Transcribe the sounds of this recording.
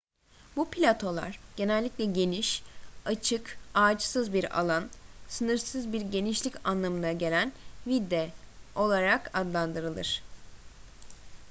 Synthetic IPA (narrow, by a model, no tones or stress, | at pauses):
bupʰlʲat̪ʰo̞lˠa̰ɾ̥ɟ̥e̞nɛlʲːicʲlʲɛɟe̞niʃat͡ʃʰɯkaːd͡ʒsɯzbiɾa̰lˠansɯnɯɾsɯzbiɾɟe̞niʃlʲicanlˠamɯnaɟe̞lʲænvid̪ːɛo̞lˠaɾakad̪lˠand̪ɯɾɯlˠɯ̰ɾ̝̥